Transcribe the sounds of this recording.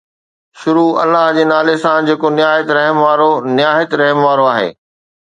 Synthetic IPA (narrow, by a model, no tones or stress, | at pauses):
ʃʊɾuɐ̰lːaɦd͡ʑeːnaːlesãd͡ʑeːkonɪjaːɦət̪ɾɐɦəmʋaːɾonɪjaːɦət̪ɾɐɦmʋaːɾoaːɦḛː